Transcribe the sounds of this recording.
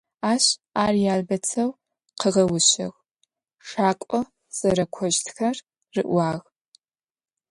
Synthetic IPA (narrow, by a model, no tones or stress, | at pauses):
aːɕaːrjaːlbɐt͡sʰɐw | qəʁɐwʊɕɐ̰ʁ | ʂaːkʷʼɔ | sʼɐɾɐkʷʰɔʒtʰxɐr | rɨ̰ʔʷwɑːʁ